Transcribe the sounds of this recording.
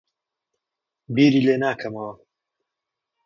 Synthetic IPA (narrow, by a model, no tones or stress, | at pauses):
biːɾiːleːnaːkʰɐmɐwɐ